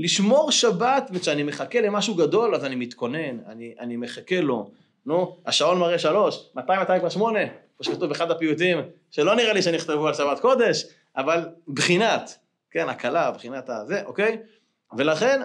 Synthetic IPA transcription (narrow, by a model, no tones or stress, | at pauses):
liʃmo̞ʁʃabat̪veʃeanimeχake̞lemaʃuɡad̪o̞lazanimit̪ko̞ne̞na̰niʔa̰nimeχakelo̞ | nuhaʃao̞nmaʁeʃalo̞ʃmat̪ajmat̪aimkvaʃmo̞ne̞kmoʃekat̪uveχad̪apijut̪̬im | ʃe̞lo̞niʁaliʃeaniiχt̪evualʃabat̪ko̞d̪e̞ʃ | avalbχinat̪ | ke̞nakalabχinat̪aze̞ʔo̞kej | ve̞laχe̞n